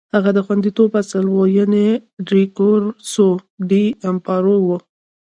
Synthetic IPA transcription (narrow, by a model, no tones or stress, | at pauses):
haɣad̪əxwand̪it̪obasəlwojaneɖɾikoɾsoɖiampɑɾowu